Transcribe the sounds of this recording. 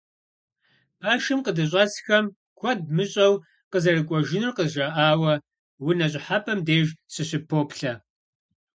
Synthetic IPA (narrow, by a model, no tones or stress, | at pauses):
b̥ʰaːʃɨmqədɨɕ̬ʷʼɐsxɐm | kʷʰɐd̚mɨɕʼɐw | qəzɐrɨkʷʼɔʒɪnɨrqəzʒɐʔaːwɐ | winɐɕʼɪħapʰɐmdeːʒsɨɕɪpʰoːpʰɬɐ